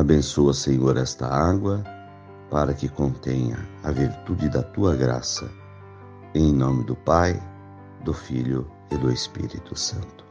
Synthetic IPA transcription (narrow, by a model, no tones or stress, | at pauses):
abẽnsoɐseɲoɾɛst̪ɐ̰aɡwɐ | paɾɐkɪkõnt̪ẽɲɐ̰ɐviɾt̪ud͡ʒɪd̪ɐt̪uɐɡɾa̰sɐ̰ | ẽj̃nõmɪd̪ʊpaj | d̪ʊfiʎʊ | ɪd̪ʊespḭɾit̪ʊsɐ̃nt̪ʊ̥